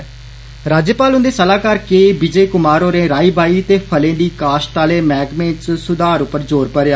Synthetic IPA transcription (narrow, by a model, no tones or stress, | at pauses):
ɾaːd͡ʒjəpaːlʊ̃nd̪eːsəlaːkəɾkeːbid͡ʒeːkʊmaːɾõːɾẽːɾaːiːbaːiːt̪eːpʰəlẽːd̪iːkaːʃʈ̪aːlẽːmɛːɡmẽːssʊd̪aːɾʊpːəɾd͡ʒoːɾpəɾaː